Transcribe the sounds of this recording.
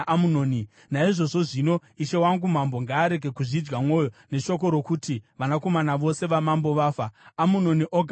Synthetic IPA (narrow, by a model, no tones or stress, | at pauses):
munoːni | naiʐo̞ʐo̞ʐino̞iʃe̞waŋɡum̤ambo̞ŋɡaːɾe̞ɡʱe̞kuʐid͡ʒɡamwo̞ːjo̞ne̞ʃo̞k̬o̞ɾo̞kutiʋanako̞manaʋo̞se̞ʋamambo̞ʋaːfaːmuno̞niʔoɡʱ